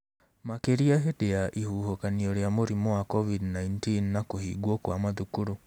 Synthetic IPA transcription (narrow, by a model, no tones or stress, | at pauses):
makeɾiaɦedeaʔihuːhokaniɔɾeamoɾimɔwakɔvidnaintinːakohiɡwɔkwamaðukuɾu